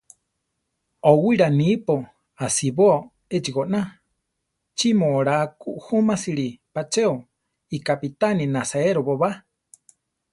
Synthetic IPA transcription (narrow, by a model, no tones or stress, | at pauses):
owiɾanipo | asiβoo | et͡ʃiɣoʔna | t͡ʃimoɾakuʔhumasiɾipat͡ʃeo | ikapit̪aninasaeɾoβoβa